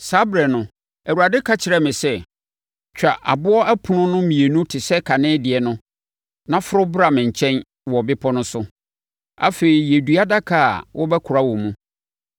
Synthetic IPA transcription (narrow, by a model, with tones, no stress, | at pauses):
saː˦bɾɛ˨nʊ̃˨ | æ˨wu˨ɾa˨dɪ˦kʰa˦t͡ɕʰɪ˨ɾɛ˦mɪ̃˨sɛ˦ | t͡ɕᶣa˨ʔa̰˨bʊ˦ɔ˦æ˦pʰʊ˨nʊ̃˦nʊ̃˦mĩ˨e˨nũ˦tʰɪ˨sɛ˦kʰa˨nɪ̃ː˦dɪ˨ɛ˨nʊ̃˦ | nã˦fʊ˦ɾʊ˦bɾa˨mɪ̃˨ɲ˨t͡ɕʰɛ̃˦n | wɔ˨bɪ˦pʰɔ˦nʊ̃˦sʊ˦ | a̰˦fe˨ɾi˨jɛ˨du˨a˦da˦kʰa˨a˨wɔ˦bɛ˦kʰʊ˨ɾa˦wɔ˨mũ˦